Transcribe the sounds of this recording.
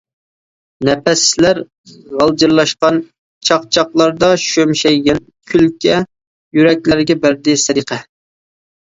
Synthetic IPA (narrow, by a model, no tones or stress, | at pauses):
nɛpɛslæɾ | ʁɑlˠd͡ʒɨɾlˠɑʃqɑn | t͡ʃʰɑq̚t͡ʃʰɑqlˠɑɾd̪ɑʃømʃɛjɡʲɛn | kʲʰylkʲɛ | jyɾɛkʲlæɾɡʲɛbæɾd̪ɪsɛɾiqʰɛ